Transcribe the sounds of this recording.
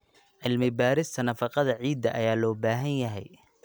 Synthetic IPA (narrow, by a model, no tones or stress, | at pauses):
ʕɪlmɪbaːɾɪst̪ʰɐnɐfɑqɑðɐʕiːd̪ːɐʔɐjaːlɔːbaːɦɐnjɐɦɛ̰j